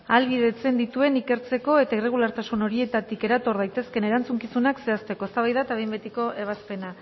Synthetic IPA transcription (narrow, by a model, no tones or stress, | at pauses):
alβiðe̞t͡se̞nd̪it̪ue̞nike̞ɾt͡se̞ko̞e̞t̪aire̞ɣ̞ulaɾt̪asuno̞ɾie̞t̪at̪ike̞ɾat̪o̞ɾðajt̪e̞ske̞ne̞ɾant͡suŋkisunakse̞ast̪e̞ko̞est̪aβajðat̪aβejmbet̪iko̞ʔe̞β̞aspe̞na